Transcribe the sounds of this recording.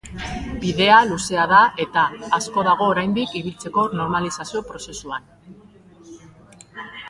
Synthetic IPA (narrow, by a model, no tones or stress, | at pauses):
biðe̞aluse̞aðaʔe̞t̪aːsko̞ðaɣ̞o̞ːɾajnd̪ikiβilt͡se̞ko̞no̞ɾmalisasio̞pɾo̞se̞suan